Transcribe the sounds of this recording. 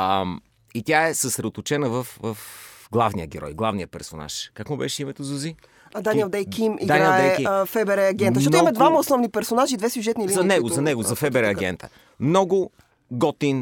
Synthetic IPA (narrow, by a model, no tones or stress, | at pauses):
əm | it̪ʲjaɛsəsɾɛd̪ot̪ʊt͡ʃɛnəvɐfvɐfɡlˠavniəɡɛɾɔ̰jɡlˠavnijəpɛɾsona̰ʃkakmʊbɛ̰ʃɛimɛt̪ozuzi | ɐd̪aniɛlˠd̪ɛjkimid̪aɡ̪ɾaɛəfɛbɛɾɛɐɡʲɛnt̪zʃt͡ʃɔt̪imɐd̪vamɐosnɔvnipɛɾsonaʒiːd̪vɛsjuʒɛt̪nilizɐnɛɡʊzɐnɛɡʊzɐfɛbɛɾɛɐɡɛ̰nt̪ə̰ | mnɔɡʊ | ɡɔt̪in